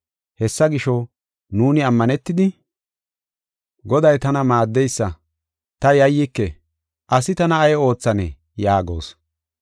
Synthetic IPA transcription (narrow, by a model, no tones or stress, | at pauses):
hɛsːɐɡɪʃɔ | nuːnɪɐmːɐnɛt̪ːɪd̪ɪ | ɡɔd̪ɐjt̪ɐnɐmaːd̪ːɛjsːɐ | t̪ɐjɐjːɪkːɛ | ʔɐsɪt̪ɐnɐːjo̞ːt͡sːɐnɛ̰ | jaːɡo̞̰ːs